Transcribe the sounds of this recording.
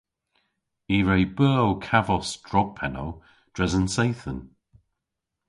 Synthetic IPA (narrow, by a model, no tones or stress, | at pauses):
iːɹejbɜːlˠkʰavɔsd̥ɹɔɡ̥̚pʰɛnow | d̥ɹɛzənsejθən